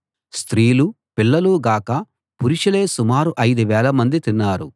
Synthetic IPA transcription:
st̪ɾiːlu | pilːɐluːɡaːkɐ | puɾiʂɐle̞ːsumaːɾuʔɐjd̪uʋɛːlɐmɐnd̪it̪inːaːɾu

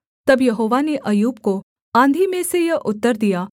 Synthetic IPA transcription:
t̪ɐbjɐɦoːʋaneʔɐjuːb̚ko | ãːnd̪ʱimẽsejɐʔʊt̪ːəɾd̪ijaː

